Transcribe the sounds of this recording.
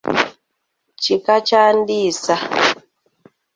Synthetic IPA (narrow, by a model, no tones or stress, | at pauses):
t͡ʃikat͡ʃandisa